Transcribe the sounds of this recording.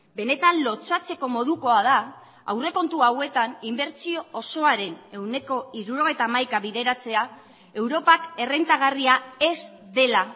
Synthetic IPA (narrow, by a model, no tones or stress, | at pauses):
be̞ne̞t̪anlo̞t͡sat͡se̞ko̞mo̞ð̞uko̞aða | a̰wre̞ko̞nt̪uawe̞t̪animbe̞ɾt͡sio̞ːso̞aɾe̞ne̞wne̞ko̞iɾuɾo̞ɣ̞e̞jt̪aːmajkaβiðe̞ɾat͡se̞a | e̞wɾo̞pake̞re̞nt̪aɣ̞ariae̞zd̪e̞la